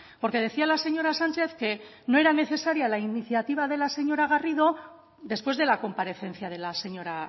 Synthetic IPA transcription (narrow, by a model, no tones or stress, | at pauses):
po̞ɾke̞ð̞e̞θialase̞ɲo̞ɾasant͡ʃe̞θke̞ | noe̞ɾane̞θe̞saɾjalainiθjat̪iβaðelase̞ɲo̞ɾaɣariðo̞ | ðe̞spwe̞zðe̞lako̞mpaɾe̞θe̞n̟θjað̞e̞lase̞ɲo̞ɾa